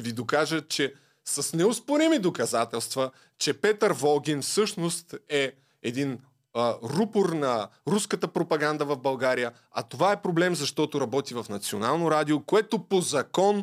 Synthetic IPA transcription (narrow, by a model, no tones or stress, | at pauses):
vid̪okaʒət͡ʃɛ | sɐsnɛʊspoɾimid̪okɐzat̪ɛlˠst̪və | t͡ʃɛpɛt̪əɾvɔlˠɡ̟ʲinfsɤʃnost̪ɛ | ɛd̪in | ɾupoɾnɐɾuskət̪əpɾopɐɡand̪əvɐvbɐlˠɡaɾijə | ɐ̰t̪ovaɛpɾoblɛmzɐʃt̪ɔt̪ʊɾɐbɔt̪ivɐfnɐt̪sionalˠnoɾad̪iokoɛt̪opozɐkɔn